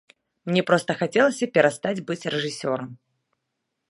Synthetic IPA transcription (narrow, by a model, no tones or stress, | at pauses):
mnʲɛpɾɔst̪ɐxat͡sʲɛlˠɐsʲɐpʲɛɾast̪ad͡zʲbɨt͡sʲrɛʐɨsʲɔɾɐm